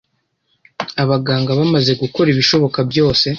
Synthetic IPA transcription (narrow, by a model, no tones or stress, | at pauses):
aβaɡaːŋɡaβamaze̞ɡuko̞ɾiβiʃo̞βo̞kabjo̞ːse̞